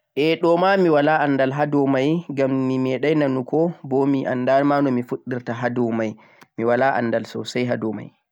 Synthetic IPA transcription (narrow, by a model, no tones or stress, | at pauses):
ʔɛɗɔmamiwalaʔanːdalɦadɔmajɡammimɛɗajnanukɔbɔmiʔa̰ndalmanɔmifuɗːiɾtaɦadɔmaj | miwalaʔa̰nːdalsɔ̰sajɦadɔma̰j